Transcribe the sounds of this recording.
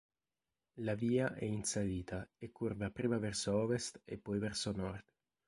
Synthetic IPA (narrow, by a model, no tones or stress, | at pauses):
laviːaʔɛinsaliːt̪aekːuɾvapɾiːmavɛrsoɔvest̪ḛpːɔjvɛrsonɔrt̪